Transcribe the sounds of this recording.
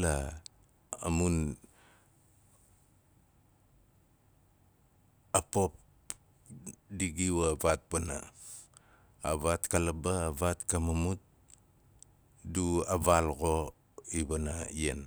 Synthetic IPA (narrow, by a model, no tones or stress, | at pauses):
la | a̰mun | apop | diɡiwavat̚bana̰ | βatkalabaːβatkamamut̚ | duaβalɣo | iβanaien